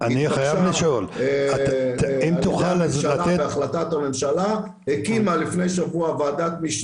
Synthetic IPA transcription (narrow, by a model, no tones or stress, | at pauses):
aniχajavliʃolaimt̪uχalmzlaeeaχlatat̪ame̞mʃala | hekimalifne̞jʃavuavaːd̪atmiʃ